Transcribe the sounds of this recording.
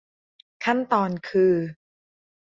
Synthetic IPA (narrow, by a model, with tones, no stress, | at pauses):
kʰa˥˩nt̪ɔː˧nkʰɯː˧